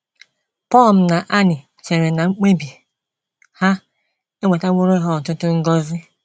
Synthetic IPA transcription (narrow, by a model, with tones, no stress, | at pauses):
pɔ˦˨lm̩˦na˨ʔa˦nɪ˨ | t͡ʃe˨ɾe˨na˨ŋ͡m̩˦k͡pe˦bi˨ | ha˦ | e˦ŋʷe˨ta˦ŋʷʊ˦ɾo˦i˦ɦɔ˦n̩˨tʊ˦tʊ˦ŋ̩˦ɡɔ˦zɪ˦